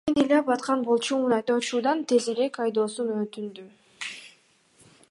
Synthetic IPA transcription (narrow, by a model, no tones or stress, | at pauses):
enilʲɑpɑt̪qɑnbolˠt͡ʃumunɑt̪ot͡ʃuːd̪ɑnt̪ʰe̞zeɾekɑjd̪o̞ːsunøt̪ynd̪y